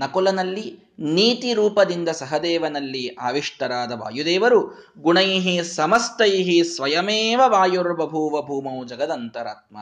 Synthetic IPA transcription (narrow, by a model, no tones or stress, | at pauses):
nɐkɔlɐnɐlːi | niːt̪iɾuːpɐd̪ind̪ɐsɐɦɐd̪ɛːʋɐnɐlːiaːʋiʂʈ̪ɐɾaːd̪ɐʋa̰ːjud̪eːʋɐɾu | ɡuɳɐjɦisɐmɐst̪ɐjɦisʋɐjɐmeːʋɐʋaːjuɾbɐbʱuːʋɐbʱuːmɐwd͡ʒɐɡɐd̪ɐnt̪ɐɾa̰ːt̪̚ma̰